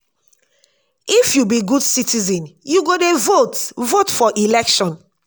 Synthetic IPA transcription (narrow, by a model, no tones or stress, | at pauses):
ifjubiɡudsitizɛ̃njuɡodevotvotfɔʔilɛkʃɔ̃n